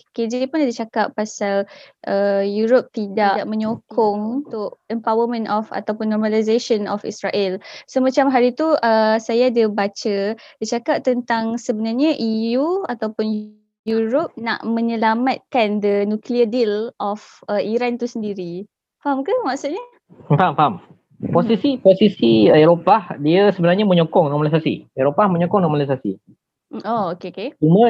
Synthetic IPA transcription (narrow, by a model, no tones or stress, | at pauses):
ked͡ʒpʊndit͡ʃakapːasalʔəjuɾop̚t̪idaʔaʔmə̃ɲokʰɔŋut̪ʊʔɛmpawəmə̃nɔfa̰t̪awpʊnːɔrmalizaʃɔnɔfḭsɾaʔɛlsomãt͡ʃamɦaɾit̪uʔəsajadəbat͡ʃəd̥it͡ʃakap̚t̪ənt̪aŋsəbənarɲaʔijuat̪awpʊn | juɾop̚na̰ʔmə̃ɲə̃lamat̪̚kandənũkliədilʔɔfəiɾant̪usəndiɾi | faɦamkahmaksut̪̚ɲə | faamfaam | posisiposisieɾopahdiasəbənaɾɲaməɲokɔŋnɔmalisasḭeɾopahmə̃ɲokɔŋnɔmalisasḭ | ookeoket͡ʃumə̃